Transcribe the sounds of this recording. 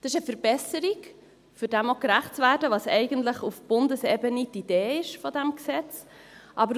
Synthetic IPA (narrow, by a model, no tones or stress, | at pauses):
d̥ɪʃəfəɾb̥ɛsəɾiɡ | fʏɾdɛmokɾæχtt͡svæːdəʋɑsɛ̰ɪɡəntləχufb̥ʊndəsɛbənitideːɪʃfɔdæmksɛt͡s | ʔɑbəɾ